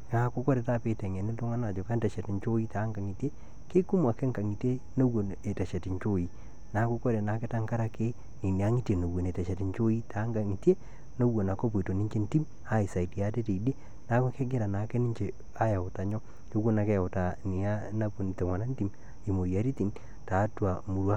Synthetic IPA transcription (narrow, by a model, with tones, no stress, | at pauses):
ŋa˨˦ku˦kɔ˦ɾe˨ta˦pe˨˦tɛ˨ŋe˨ni˦tʊ˦ŋa˦na˨d͡ʒɔ˨ka˦ntɛ˨ʃɛ˨ti˨nt͡ʃo˦i˦ta˨˦ŋɡa˨ŋi˨te˦ | ke˦ku˦m˦a˨ke˦ŋka˨ŋi˨te˦ | no˦wo˨ne˨ta˨ʃe˨ti˨ɲt͡ʃo˦ji˨ | na˨˦ku˦ko˦ɾe˨na˨ke˦ta˦ŋka˦ɾa˦ke˦ | ni˨ni˨a˦ŋi˦tje˨no˨wo˨ne˨tɛ˨ʃe˨ti˨ɲt͡ʃo˦i˦ta˨˦ŋɡa˨ŋi˨te˦ | no˦wo˨na˨ko˦p̬wi˨to˨ni˦ɲt͡ʃe˦nti˦m | a˦i˨sa˨i˨tja˦te˦te˨i˨de˦ | na˦ku˦ke˦ɡɪ˦ɾa˨na˨˦ke˦ni˦ɲt͡ʃe˨ | a˦ja˨ʊ˨ta˨ɲɔ˦ | ɲo˦wo˦na˨kɛ˦˨o˨ta˨ni˨a˦na˦pu˨n˨te˨ŋwa˨na˦nti˦m | i˨mo˨ja˨ɾi˦ti˨n | ta˨˦twa˨mu˨ɾwa˦